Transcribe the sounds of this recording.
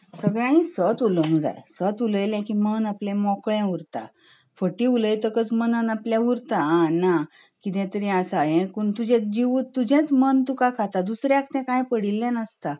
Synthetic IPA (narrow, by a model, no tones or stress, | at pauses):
səɡɭjãɽ̃isət̪uləŋɡd͡za̰jsət̪uləjlɛ̃kimənaplɛ̃mɔkɭɛ̃uɾt̪a̰ | fəʈiuləjt̪əkət͡smənənaplɛ̃uɾt̪aãna | kit̪ɛ̃t̪əɾɛ̃asajɛ̃kuɳt̪ud͡ʑɛ̃d͡ʑiʋut̪ːud͡ʑɛ̃t͡smənt̪ukakʰat̪ad̪usɾjakʰt̪ɛ̃kãjpəɽilːɛ̃nəst̪a